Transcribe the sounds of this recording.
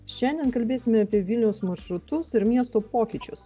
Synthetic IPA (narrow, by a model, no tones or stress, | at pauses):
ʃʲɛnʲd̪ʲɛnkɐlʲbʲeːsʲɪmʲɛɐpʲiɛʋʲɪlʲnʲɛʊsmɐɾʃɾʊt̪ʊsɪɾmʲiɛst̪oːpoːkʲɪˑt͡ʃʲʊ̰s